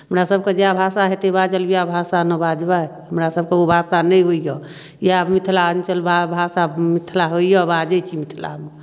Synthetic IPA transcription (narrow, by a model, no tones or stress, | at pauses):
ɦəmɾasəb̚ked͡ʒeabʱasaɦɛt̪ebad͡ʒəlbijabʱasanəbad͡ʒbaɦəmɾasəb̚keobʱasanəjɦoijɔ | jamit̪ʰlaənt͡ʃəlbabʱasamit̪ʰlaɦoijɔbad͡ʒət͡ʃʰimit̪ʰla̰me